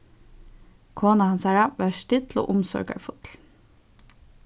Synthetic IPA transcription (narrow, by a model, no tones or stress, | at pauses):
kʰoːnɑhɑnsæːɹɑʋæːst̪ɪt̪ʰlo̰ːʔʊmsø̰ːɡɑ̰ɾfʊt̪ʰl̩